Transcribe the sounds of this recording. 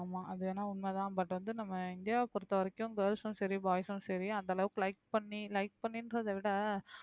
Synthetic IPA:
maːʔɐðɯeːnːaːʊnmeːðãːbɐʈːɯʋɐnd̪ɯnɐmːɐɪnd̪ɪjaːpɔɾɯt̪ːɐʋɐɾɐkːʊ̃ŋɡɐɾsʊ̃sɐɾibaːjɐsʊ̃sɛɾiɐnd̪ɐːlɐʋɯklɐɪk̚pɐɳːilɐɪk̚pɐɳːɪnɾɐðɐʋɪɽɐ

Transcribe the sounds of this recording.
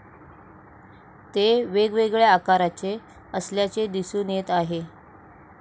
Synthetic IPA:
t̪eʋeɡʋeɡɭjeakaɾat͡se | əsljat͡sed̪isuːnet̪aɦe

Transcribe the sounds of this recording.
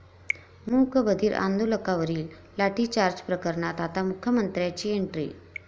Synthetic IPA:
mukbəd̪ʱiːɾʔa̰nd̪uləkaʋəɾiːlː | aʈit͡ɕaɾd͡ʑpɾəkəɾɳat̪at̪amukʰjəmənt̪ɾjat͡ɕiːeɳʈɾḭ

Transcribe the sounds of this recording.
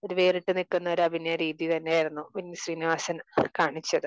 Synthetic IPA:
oɾuʋeːriʈːɨnikːunːɐoɾɐbʱinjɐɾiːðit̪ɐnːejiɾunːupinːɐsriːniʋaːsɐnkaːɳit͡ɕːɐðɨ

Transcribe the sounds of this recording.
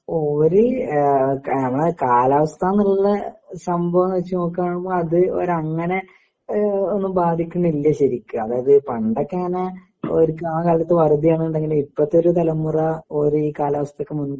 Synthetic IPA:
oːɾɨ | nɐmːɐɭekaːlaːʋɐst̪ʰaːnillːɐsɐmbʱɐʋɐmʋɐt͡ɕːuno̞ːkːaːɳumboːɭɐðɨo̰ɾɐŋːɐne̞ | onːumbaːd̪ʱikʲːuɳːuilːɐɕɐɾikʲːuɐðaːjɐðɨpɐɳɖɐkːaːnɐ | oɾukaːɳɐkaːlːɐt̪ːɨʋɐrɨd̪ijaːɳɨoɳɖeŋɡilmipːɐt̪ːoɾut̪ɐlɐmːurɐoːɾuiːkaːlaːʋɐst̪ɐokːemun

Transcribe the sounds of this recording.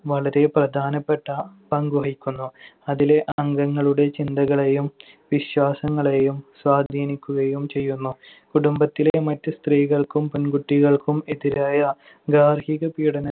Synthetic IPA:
ʋɐɭɐɾe̞prɐd̪ʱaːnɐpːe̞ʈːɐpɐŋɡoɦikʲːunːuɐðile̞ʔɐŋɡɐŋːɐɭuɽe̞t͡ɕind̪ɐɣɐɭejum | ʋiɕwaːsɐŋːɐɭe̞jumswaːd̪ʱiːnikʲːuɣɐjumt͡ɕe̞jːunːu | kuɽumbɐt̪ːilemɐtːɨst̪riːɣɐɭkumpunɡuʈːiɣɐɭkumeðiɾaːjɐ | ɡaːrhiɣɐpiːɽɐnɐ

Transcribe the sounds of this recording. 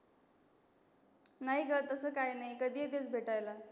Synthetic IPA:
naɦiɡət̪ːəsəkajnajkəd̪ied̪et͡sbʱeʈajla

